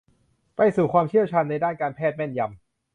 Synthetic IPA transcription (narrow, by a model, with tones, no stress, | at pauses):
pa˧jsuː˨˩kʰwaː˧mt͡ɕʰi˥˩wt͡ɕʰaː˧nːa˧jdaː˥˩nkaː˧npʰɛː˥˩t̪̚mɛ˥˩nja˧m